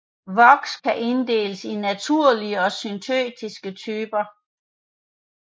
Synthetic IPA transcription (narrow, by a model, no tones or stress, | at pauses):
ʋɒɡ̥skʰæʔe̝nd̥e̝̰ːləsinæt͡sʰuɐ̰liəɒ̽synt͡sʰø̰ːd̥isɡ̥ət͡sʰyːb̥ɐ